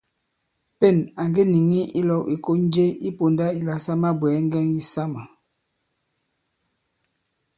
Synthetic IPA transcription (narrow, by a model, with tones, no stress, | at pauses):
pɛ˦˨na˨ŋɡe˦ni˨ŋi˦i˦lɔ˨wi˨ko˦n˦d͡ʒe˦i˦po˨nda˦i˨la˨sa˦ma˦bwɛː˨˦ŋ˦ɡɛ˦ŋi˦sa˦ma˨